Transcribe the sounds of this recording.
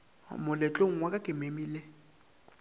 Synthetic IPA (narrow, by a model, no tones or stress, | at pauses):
mʊlɪt͡ɬʼoŋ̩wakʼakʼɪmemiːle